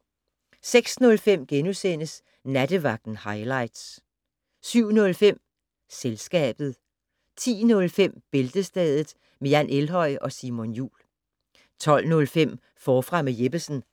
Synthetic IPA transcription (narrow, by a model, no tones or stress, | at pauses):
seɡ̥snɔ̽lfem̰ɡ̥enusen̰əs | næd̥əʋɑ̈ɡ̥̚d̥n̩hɑ̈ɪlɑ̈ɪ̰d̥s | syʊ̰nɔ̽lfem̰ | selsɡ̥ɛ̰ːb̥ð̞̩ˠ | t͡sʰḭːnɔ̽lfem̰b̥e̝ld̥əsd̥ɛðˠð̩ˠ | mejænʔelɦɒ̽ɪ̰ɒ̽simonjṵːl | t͡sʰɒ̽l̰nɔ̽lfem̰ | fɒːfʁɑ̈meje̝b̥əsn̩